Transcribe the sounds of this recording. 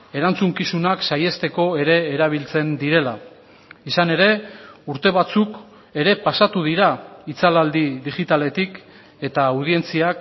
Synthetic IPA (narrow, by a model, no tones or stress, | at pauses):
e̞ɾant͡suŋkisunaksaje̞st̪e̞ko̞e̞ɾe̞ːɾaβ̞ilt͡se̞nd̪iɾe̞la | isane̞ɾe̞uɾt̪e̞β̞at͡suk | e̞ɾe̞pasat̪uðiɾait͡salald̪iðiʝit̪ale̞t̪ik | e̞t̪auð̞ie̞nt͡siak